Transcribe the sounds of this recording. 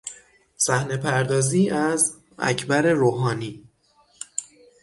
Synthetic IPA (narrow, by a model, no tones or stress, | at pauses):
sæhne̞pʰæɾd̪ɒːziːʔæz | æ̰cʰbæɾe̞ɾoːɦɒːniː